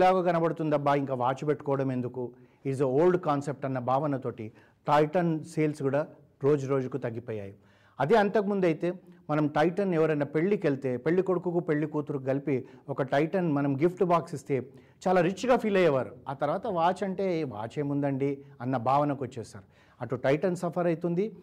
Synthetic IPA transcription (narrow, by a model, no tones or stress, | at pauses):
laːɡɐɡɐnɐbɐɽut̪und̪ɐbːaiŋkaːʋaːt͡ʃubeʈːu̥kɔːʋɐɽɐme̞nd̪uku | izeoːlɖkaːnsep̚ʈɐnːɐbʱaːʋɐnɐt̪o̞ːʈi | ʈɐjʈɐnseːlsɡuːɽaː | ɾo̞ːd͡ʒuɾo̞ːd͡ʒukut̪ɐɡːipoːja̰ːji | ɐd̪eɐnt̪ɐkɐmund̪ɐjt̪e̞ːmɐnɐmʈɐjʈɐnɛʋɐɾɐjnɐpe̞ɭːikelt̪e̞ːpeɭːikoɽukukupe̞ɭːikuːt̪uɾukuɡɐlipiɔkɐʈɐjʈɐnmɐnɐmɡipʰʈbaːksist̪e̞ː | t͡ʃaːlaːɾit͡ʃːɡaːpʰiːlɐjɐʋaːɾuaːt̪ɐɾʋaːt̪ɐʋaːt͡ʃɐɳʈe̞ːʋa̰ːt͡ʃeːmund̪ɐɳɖiɐnːɐbʱaːʋɐnɐkʋɐt͡ʃːɛːsa̰ːɾu | ɐʈːuʈɐjʈɐnsɐpʰɐɾɐjt̪und̪i